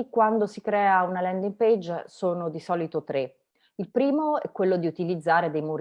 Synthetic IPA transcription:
kwand̪osikɾɛːaunalɛnd̪imped͡ʒːsoːnod̪isɔːlit̪ot̪ɾe | ilpɾiːmoɛkːwelːod̪iut̪ilid̪zːaːɾed̪ejmuɾ

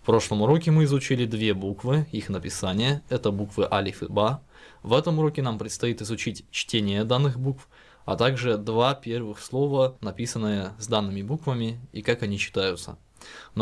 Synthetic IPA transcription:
fpɾo̞ʂlˠəmʊɾo̞kʲɪmɨɪzʊt͡ɕilʲɪd̪vʲe̞bukvɨixnəpʲɪsanʲɪjəɛt̪əbukvɨʔalʲɪfɨ̰ba | vɛt̪əmʊɾo̞kʲɪnampɾʲɪt̪st̪ɐit̪ɨzʊt͡ɕitʲt͡ɕtʲenʲɪjəd̪anːɨxbukf | ɐ̰t̪aɡʐɨd̪vapʲe̞rvɨxslˠo̞vənɐpʲisənːɨjəzd̪anːɨmʲɪbukvəmʲɪikakɐnʲit͡ɕːɪ̥t̪ajʊt̪sə̰ | n

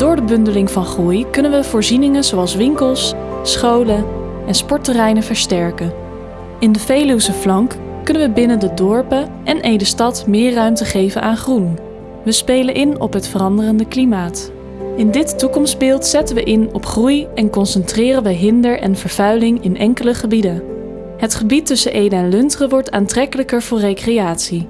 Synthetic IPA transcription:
d̥ʊːɹdəbɵndəlɪŋvɑnχrujkɵnənʋəv̥ʊːɹzinɪŋəz̥oɑlˠsʋɪŋkəlˠsː | χowlə | ɛnspɔɹtərɛjnəvəɹstɛɹkən | ɪndəfejluwsəflɑŋk | kɵnənʋəbɪnəndədɔɹpə | ʔɛnejdəstɑtmɪːɹrœɥmtəχejvənʔaːnχrun | ʋəspejlənʔɪnɔ̰pɦətfərɑndərəndəklimaːt | ɪndɪtːukɔmsdbɪːlˠtsɛtənʋəʔɪnɔpχrujɛnkɔnsɛntrɪːrənʋəɦɪndəɹɛ̰nv̥əɹv̥œɥlɪŋɪnʔɛŋkələχəbidən | ɦətχəbitːɵsəʔejdəɛnlɵntrəʋɔɹta̰ːntrɛkələkəɹvʊːɹrejkrejaːtsi

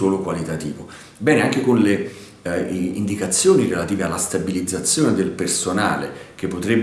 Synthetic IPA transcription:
oːlokwalit̪at̪ḭːvo | bɛːneaŋk̟ekonle | ind̪ikat̪sːjoːnirelat̪iːvealːast̪abilid̪zat̪sːjoːned̪elpersona̰ːlḛk̟epːot̪ɾeb

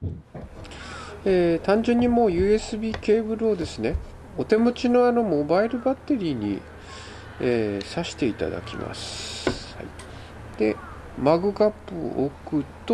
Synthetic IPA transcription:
eːt̪ãɲ̟d͡ʑɨ̃ɲ̟ːimo̞ːjɯ̟ːe̞sɨbʲiːke̞ːbɯ̟ɾɯ̟od̪e̞sɨne̞ | ot̪e̞mot͡ɕino̞ano̞mo̞baiɾɯ̟bat̪ːe̞ɾʲiːɲ̟ḭ | eːsaɕi̥t̪e̞it̪a̰d̪a̰kʲḭma̰sɨ̥ha̰i | d̪̥e̞ | maɡɯ̟kapːɯo̰ʔokɯ̟t̪o

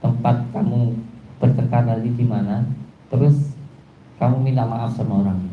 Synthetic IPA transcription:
t̪əmpat̪̚kamub̥ərt̪əkanalidimanat̪əɾʊs | kamuminamaʔafsamaoɾaŋ

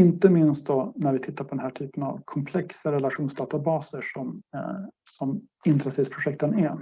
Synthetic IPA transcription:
ɪnt̪əmɪnst̪̚d̪ɔnæɾvɪt̪ʰɪt̪ːaɾpʰɔd̪ɛnɦæːʈʰyːpəna̰vkʰɔmpʰlɛksaɾɛlaɧuːnsd̪ɑːt̪abɑːsəʂɔm | sɔm | ɪnt̪ɾɛseːpʰɾʊʂɛk̚t̪ənæ

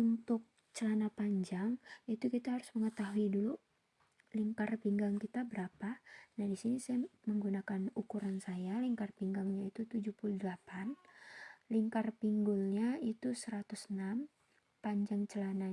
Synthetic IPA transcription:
unt̪ʊk̚ | t͡ʃəlanapaɲd͡ʒaŋit̪ukit̪aɦaɾʊsməŋət̪aɦuidulu | liŋkarpiŋɡaŋkit̪abəɾapanahdisinisajaməŋɡunakanukuɾansajaliŋkarpiŋɡaŋɲait̪ut̪ud͡ʒuhpuludəlapan | liŋkarpiŋɡulɲait̪usəɾat̪ʊsnam | paɲd͡ʒaŋt͡ʃəlana

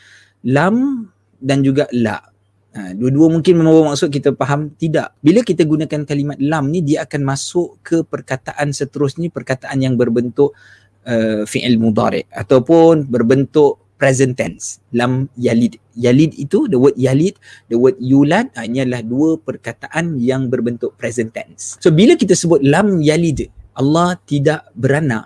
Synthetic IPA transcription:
lam | dand͡ʒuɡaʔla̰ʔ | əduəduəmuŋkɪnmə̃mawamaʔsʊt̪̚k̬it̪apaɦamt̪ida̰ʔbiləkit̪aɡunakankalimat̪̚lamnidiaakanmasʊʔkʰəpərkat̪aʔansət̪əɾʊsɲapərkat̪aʔanjaŋbərbənt̪ʊʔ | əfiʔɛlmud̪ɑ̰ɾɪ̰ʔ̚a̰t̪awpʊnbərbənt̪ʊʔ | pɾɛzənt̪ɛ̰nslamjalid̪̚ | jalidḭt̪udawət̪̚jalɪt̪̚ | dəwət̪̚julat̪̚aɲadalahduəpərkat̪aʔanjaŋbərbənt̪ʊʔpɾɛzənt̪ɛ̰nssobilakit̪asəbʊt̪̚lamjalidʔɑlːɑht̪idaʔbəɾana̰ʔ

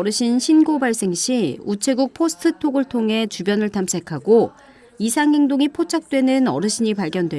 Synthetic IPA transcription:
ʌɾɯɕʰinɕʰinɡobaɭs͈e̞ŋɕ͈ʰiut͡ɕʰe̞ɡuk̚pʰosʰɯ̥tʰɯtʰoɡɯɭtʰoŋɦe̞t͡ɕubjʌnɯɭtamsʰe̞kʰaɡo | isʰaŋɦe̞ŋdoŋipʰot͡ɕʰak̚t͈we̞nɯnʌ̰ɾɯɕʰiɲipaɭɡjʌndwe

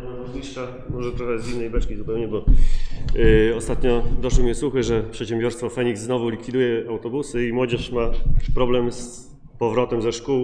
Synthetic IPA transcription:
nanɔblʲiʂʂa | mɔʐɛt̪ɾɔxɛzinːɛjbɛt͡ʂkʲizupɛwɲɛbɔ | ɔst̪at̪̚ɲɔd̪ɔʂwɔmʲɲɛswuxɘʐɛpʂɛt̪ɕɛ̃mbjɔɾst̪fɔfɛɲiɡzːnɔvulʲikfʲid̪ujɛawt̪ɔbusɘimwɔd͡ʑɛʂmapɾɔblɛms | pɔvɾɔt̪ɛmzɛʂkuw

